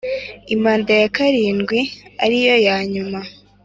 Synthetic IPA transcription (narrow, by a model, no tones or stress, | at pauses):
imaːndajakaɾiːnɡwia̰ɾijo̞jaːɲuma